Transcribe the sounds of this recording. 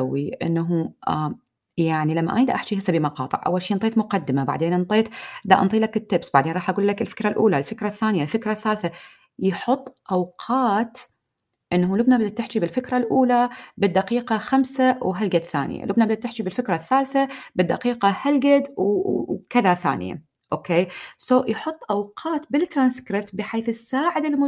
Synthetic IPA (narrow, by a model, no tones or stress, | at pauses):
wːiʔɪ̰nːaɦu | jaʕnilamːa̰ʔa̰jd̪ʔaħt͡ʃihasːabimɑqɑ̰ːt̪ˤɨ̰ʕʔa̰wːalʃiːʔnt̪ˤeːt̪mʊqad̪ːɪmabaʕd̪eːnʔɨnt̪ˤeːt̪d̪aʔɑ̰nt̪ˤiːlakɪt̪ːɪbsbaʕd̪eːnɾˤɑːħʔaɡuːlːakɪlfɪ̥kɾˤalʔuːlalfɪkɾˤaθːaːnjalfɪkɾˤaθːaːlθa | jħʊt̪ˤːʔawqʰɑːt̪ | ʔɪnːaɦulʊbnabad̪ad̪t̪ːɪħd͡ʒibɪlfɪkɾˤalʔuːlabɪd̪ːaqiːqɑxamsawɦalɡad̪θa̰ːnɪ̰ja̰lʊbnabɪd̪at̪ɪħt͡ʃibɪlfɪkɾˤaθːaːlθabɪd̪ːaqiːqɑhalɡad̪wkɪðaθa̰ːnɪ̰ja̰ | ʔoːkeːsoːjħʊt̪ˤːʔawqʰɑːt̪bɪlt̪ːɾˤanskɾɪb̚t̪bɪħeːθɪsːaːʕɪd̪ɪlmʊ